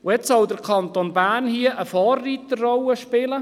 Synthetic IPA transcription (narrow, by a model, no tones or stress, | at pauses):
ʊɛt͡ssɔwd̪əɾkʰɑnt̪onbæːnhiəʔəfɑːrːit̪ərɔwəʃpɪlə